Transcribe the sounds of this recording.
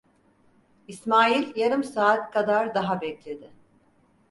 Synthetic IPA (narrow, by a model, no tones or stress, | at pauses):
ismaːilʲjaɾɯmsaːt̪kʰad̪aɾd̪aɦabɛclʲe̞d̪ɪ